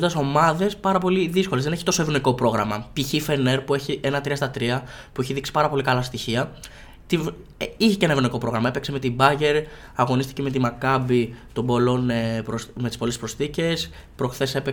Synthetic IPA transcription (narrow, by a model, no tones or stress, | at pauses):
und̪ɐso̞mɐðe̞spɐɾɐpo̞liðiskolezðe̞neçit̪o̞so̞evno̞iko̞pɾo̞ɣɾɐmɐpiçife̞ne̞ɾpue̞çie̞nɐt̪ɾiɐst̪ɐt̪ɾiɐ | pueçiðiksi̥pɐɾɐpo̞likɐlɐst̪içiɐ | t̪i | içece̞nɐevɾno̞iko̞pɾo̞ɣɾɐmɐe̞pekseme̞t̪ibɐʝe̞ɾ | ɐɣo̞nist̪i̥ceme̞t̪̬imɐkɐbit̪o̞mbo̞lo̞npɾomet̪i̥spo̞lespɾo̞sθice̞s | pɾo̞xθe̞se̞pe